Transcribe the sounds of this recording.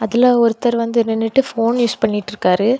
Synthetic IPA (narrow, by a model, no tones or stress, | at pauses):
ɐðɪlaɔɾɯt̪ːɐɾʋɐnd̪ɯɛnɐnːɪʈːɯfoːnjuːspɐɳːɪʈːɪɾɯkːaːɾɯ